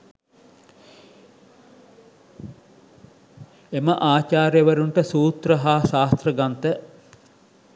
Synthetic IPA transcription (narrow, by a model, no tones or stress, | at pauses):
eməʔaːt͡ʃaːɾjəʋəɾuɳʈəsuːt̪ɾəɦaːsaːst̪rəɡant̪ə